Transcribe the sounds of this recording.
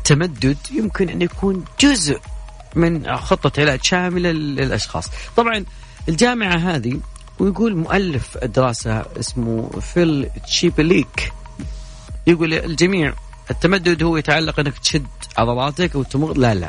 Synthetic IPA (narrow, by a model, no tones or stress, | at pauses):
ɪt̪ːamad̪ːʊd̪jɪmkɪnʔɪnːjakʰuːnd͡ʒʊzʔ | mɪnxʊt̪ˤːɑt̪ʕɪlaːd̪ʃaːmɪlaɪlʔɑʃxɑ̰ːsˤt̪ˤɑbʕɑn | ʔɪld͡ʒaːmɪʕaɦaːði | wjɡuːlmʊʔalːɪfɪd̪ːɪɾɑːsa̰ʔɪ̰smṵfɪlt͡ʃiːbliːk | jɪɡuːlɪld͡ʒamiːʕ | ʔɪt̪ːamad̪ːʊd̪hʊwːjɪt̪ʕalːɑqʔɪnːakt̪ʃɪd̪ | ʕɑðˤɑlˤɑːt̪akwɪt̪ːmʊɣlala̰